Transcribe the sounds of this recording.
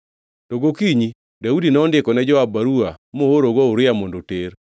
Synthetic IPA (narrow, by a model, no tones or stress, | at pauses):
toɡokiɲi | daudinɛɔndɪkɔnɛd͡ʒɔabaɾuamooɾoɡɔuɾɪamondoteɾ